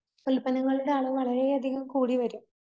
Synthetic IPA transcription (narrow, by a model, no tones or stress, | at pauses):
kɐɭpɐnɐŋːɐɭuɽeaːɭɨʋɐɭɐɾeɐd̪ʱiɣɐmkuːɽiʋɐɾum